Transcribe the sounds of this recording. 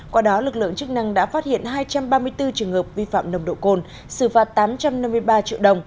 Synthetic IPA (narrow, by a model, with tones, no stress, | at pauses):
kwaː˧ɗɔ˨˦lɨ˨˩k̚lɨ̰˧˨əŋt͡ɕɨ˦˥k̚na˧ŋɗa̰ː˧˥faː˦˥t̚hḭ˧˨ənɦaː˧jt͡ɕa˧mɓaː˧mɨ˧əjt̪ɨ˧t͡ɕɨ˨˩əŋhəː˨˩p̚vi˧fa̰ː˧˨mnə˧˩wŋ͡mɗo̰˧˨ko˧n | sɨ˧˩faː˨˩t̚t̪aː˨˦mt͡ɕa˧mna˧mːɨ˧əjɓaː˧t͡ɕḭ˧əwɗə˧wŋ͡m